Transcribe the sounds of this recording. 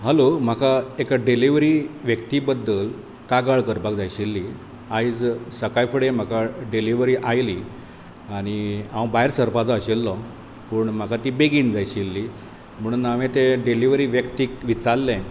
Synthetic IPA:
ɦəlom̤akʰaekɖeliʋɾiːʋjəkt̪ibəd̪əl | kaɡaɭkəɾpakd͡zajɕilːi | aid͡zsəkajfəɽem̤akʰaɖeliʋɾiʔajli | aɽ̃iãwbaɦeɾsəɾpad͡zɔːɕelːɔ | pəɳm̤akʰat̪iːbeɡiːnd͡zajɕilːi | m̤əɽ̃uːnaʋet̪eɖeliʋɾiːʋjəkt̪ikʋit͡saɾlːɛ̃

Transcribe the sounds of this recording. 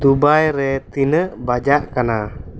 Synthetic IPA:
d̪ubajɾɛt̪inəʔbad͡ʒaʔkana

